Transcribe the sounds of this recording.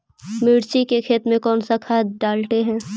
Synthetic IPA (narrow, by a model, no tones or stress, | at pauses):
mɪːɽt͡ʃikekʰeːt̪mẽkɔːnsakʰaːd̪ɖaːlʈ̪eɦɛ̃ː